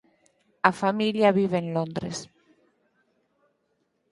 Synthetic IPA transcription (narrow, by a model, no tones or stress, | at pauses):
afamiljaβiβeenlond̪ɾes